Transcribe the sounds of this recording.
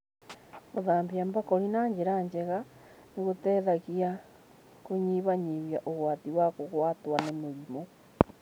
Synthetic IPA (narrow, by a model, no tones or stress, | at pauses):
ɣoðaːmbjambakoɾinaːɲd͡ʒeɾaɲd͡ʒeɣa | neɣotɛːðaɣia | koɲiβaɲiβjaʔoɣwatiwakoɣwatwanemeɾimo